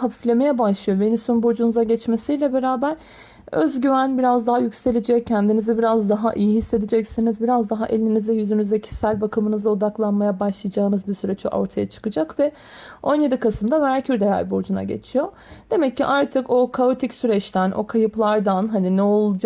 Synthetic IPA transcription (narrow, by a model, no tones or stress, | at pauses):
hafiflʲe̞me̞jɛbaʃlˠɯjo̞benimsunbo̞d͡ʒunuzaɟɛt͡ʃme̞sijlʲɛbe̞ɾaːbæɾ | ø̰zɟyvænbiɾazd̪aɦajycse̞lʲed͡ʒɛcʰːɛnd̪inizibiɾazd̪aɦaʔijiɦisːe̞d̪id͡ʒɛcsinizbiɾazd̪aɦaʔe̞lʲininizɛjyzynyzɛcʰi̥sælʲbakʰɯmɯnɯzao̞d̪aklˠanmajabaʃlˠɯjad͡ʒaːɯnɯzbisyɾɛt͡ʃʰo̰ʔo̞̰ɾt̪ʰajat͡ʃʰɯ̥kɯd͡ʒakvɛ | o̞nje̞d̪ikasɯmd̪avæɾcʰyɾd̪eja̰ɾʲbo̞d͡ʒuna̰ɟe̞̰t͡ʃʰijo̞ | d̪̥e̞mɛcːiʔaɾt̪ʰɯko̞kʰao̞t̪ʰicsyɾɛt͡ʃt̪ʰænʔo̞̰kʰajɯplˠaɾd̪anɦaninɛo̞lˠud͡ʒ